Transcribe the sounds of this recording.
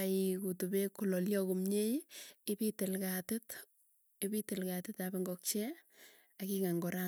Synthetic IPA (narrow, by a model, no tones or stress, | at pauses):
aikutubekulɔljɔkumɲejɪbitɪlkatɪt | ɪbitelkatɪtabeŋɡɔk̚t͡ʃe | akikaŋɡɔɾa